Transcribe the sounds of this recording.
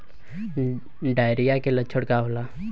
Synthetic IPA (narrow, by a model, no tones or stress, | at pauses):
ɖaːjɾijakelət͡ʃʰəɽkaɦolaː